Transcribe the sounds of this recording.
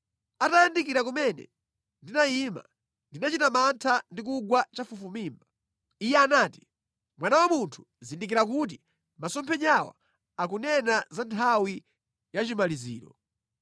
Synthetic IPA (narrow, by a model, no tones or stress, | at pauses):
atajandikiɾakumɛnɛ̰ | ndinajima̰ | ndinat͡ʃitamantʰandik̬uɡwat͡ʃafufumiːmba | ijɛanaːti̥ | mwanawamuntʰu̥ | zindikiɾak̬ut̬i | masɔmpʰɛɲawa̰ | akunɛnazantʰawi | jat͡ʃimalizḭːɾɔ